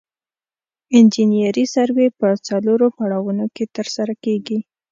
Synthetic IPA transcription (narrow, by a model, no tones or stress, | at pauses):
ɪnd͡ʒinijaɾisaɾwepət͡saloɾopaɽawunoket̪əɾsaɾakeɡi